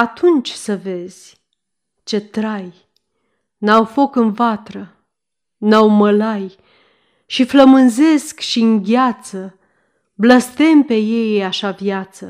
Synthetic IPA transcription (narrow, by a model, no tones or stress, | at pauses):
at̪ʰunt͡ʃʲsəve̞z̥ʲ | t͡ʃe̞t̪ɾaj | nawfo̞kɨnvat̪ɾə | nawməlaj | ʃifləmɨnze̞skʃiɨŋɡʲat̪sə | bləst̪e̞mpe̞je̞jaʃavjat̪sə